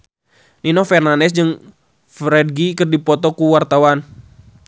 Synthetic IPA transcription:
ninɔfɛrnanɛsd͡ʒɨŋ | fɾɛd̚ɡikərdipɔt̪ɔkuwart̪awan

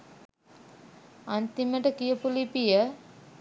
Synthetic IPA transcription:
ant̪iməʈəkijəpulipijə

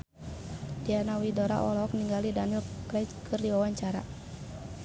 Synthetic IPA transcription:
d̥ianawidɔɾa̰ʔɔlɔk̚niŋɡalidanilkɾɛt͡ʃkʰɨrdiwawaɲt͡ʃaɾa

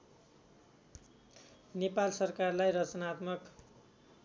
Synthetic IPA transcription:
nepalsʌrkarlajrʌt͡sʌnat̪mʌk

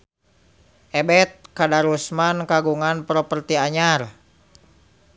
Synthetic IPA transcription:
ʔɛbɛt̪̚kadaɾusmankaɡuŋanpɾɔpərt̪iaɲar

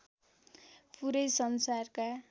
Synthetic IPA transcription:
puɾʌjsʌnsarka

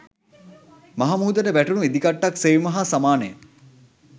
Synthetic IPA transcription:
maɦamuːd̪əʈəbæʈunued̪ikaʈːaksejmɐɦasamaːnəjə

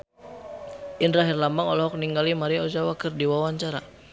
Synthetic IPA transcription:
ʔindɾaɦirlamaŋɔlɔɦɔk̚niŋɡalimaɾiaɔd͡ʒawakɨrdiwawaɲt͡ʃaɾa

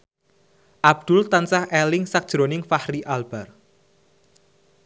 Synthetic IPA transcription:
ʔab̥̚d̪̥ʊlt̪ansahʔelɪŋsak̚d̥ʒ̥ɾonɪŋfahɾiʔalb̥ar

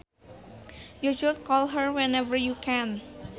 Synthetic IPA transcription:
jud͡ʒult̚kɔlɦəɹwɛnɛvəɹjukʰɛ̃n

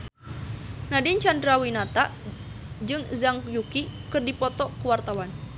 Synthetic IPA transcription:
nadint͡ʃandɾawinat̪a | d͡ʒɨŋzaŋkjukikɨrdipɔt̪ɔkəwart̪awan

